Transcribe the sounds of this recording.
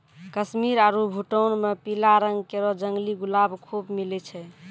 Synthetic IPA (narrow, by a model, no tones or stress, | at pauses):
kəsmiɾaɾubʱuʈənmepilaɾəŋɡkeɾɔd͡ʒəŋɡliɡulabkʰubmilɛt͡ʃʰɛ